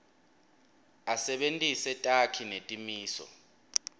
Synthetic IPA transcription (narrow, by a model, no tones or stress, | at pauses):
asɛɓentʼisɛtʼakʰinetʼimiːsɔ̰